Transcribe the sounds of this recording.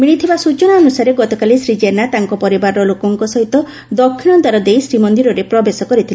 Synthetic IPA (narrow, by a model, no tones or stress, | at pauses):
miɭ̃it̪ʰibasut͡ʃɔnaːnusaɾeɡɔt̪ɔkalisɾid͡ʒenat̪aŋkɔpɔɾibaɾɔlokɔŋkɔsɔɦit̪ɔ | d̪ɔkʰːinɔnt̪aɾɔd̪ejsɾimɔnd̪iɾɔɾepɾɔbesɔkɔɾit̪ʰili